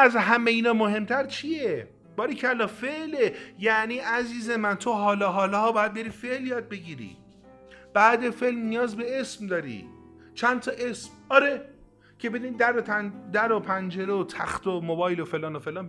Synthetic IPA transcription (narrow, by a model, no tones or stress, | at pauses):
æzɦæmeiːnɒːmoɦe̞mt̪ʰæɾt͡ʃʰije | b̥ɒːɾicʰeælːɒːfeʔlejæʔniːʔæziːze̞mænt̪ʰoɦɒːlɒɦɒːlɒɦɒːbɒːjæd̪̚be̞ɾiːfe̞ʔljɒːd̪̚be̞ɡiːɾḭː | b̥æːd̪efelmnijɒːzbe̞e̞smd̪ɒːɾḭ | t͡ʃʰænt̪ʰɒːʔesmɒːɾe | cʰe̞be̞d̪unid̪æɾod̪æɾopʰænd͡ʒe̞ɾeot̪ʰæ̰xt̪ʰomobɒːjlofelɒːnofelɒːn